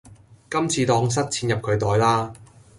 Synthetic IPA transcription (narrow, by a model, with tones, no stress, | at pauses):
kɐ˥mt͡sʰiː˨˧t̪ɔː˧ŋs̬ɐ˥t̚t͡sʰiː˧njɐ˨p̚kʰɵ˨˧ɥt̪ɔː˨˧jlaː˥